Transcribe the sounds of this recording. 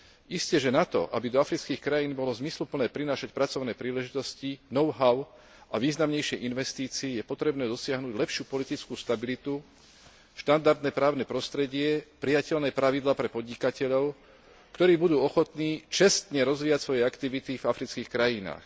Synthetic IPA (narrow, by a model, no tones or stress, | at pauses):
iscɛʒɛnat̪ɔ̰ʔabid̪ɔafɾit͡skiːxkɾajiːnbɔlɔzmislupl̩nɛːpɾinaːʃac̚pɾat͡sɔʊnɛːpɾiːlɛʒit̪ɔscinɔʊɦaʊ | aʋiːznamɲɛjʃɪɛʔinʋɛst̪iːt͡siijɛpɔt̪ɾɛbnɛːd̪ɔsɪaɦnuːɟlɛpʃɪuːpɔlit̪it͡skuːst̪abilit̪u | ʃt̪and̪aɾd̪nɛːpɾaːʊnɛːpɾɔst̪ɾɛɟɪɛpɾijacɛlnɛːpɾaʋid̪laːpɾɛpɔd̪ɲikacɛʎɔʊ | kt̪ɔɾiːbud̪uːɔxɔt̪niːt͡ʃɛst̪ɲɛɾɔzʋiːjacsʋɔjɛakt̪iʋit̪ivafɾit͡skiːxkɾajina̰ːx